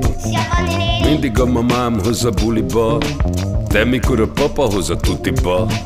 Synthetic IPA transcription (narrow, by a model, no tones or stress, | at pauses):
mind̪iɡɔmːɐmaːmɦɯzɐbulibɔ | t̪ɛmikuɾɔpɔpɐɦuzɐt̪ut̪ibɔ